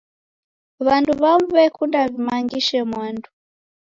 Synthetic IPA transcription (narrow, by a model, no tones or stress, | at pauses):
βanduβamβɛkʰundaβimaŋɡiʃɛmwandu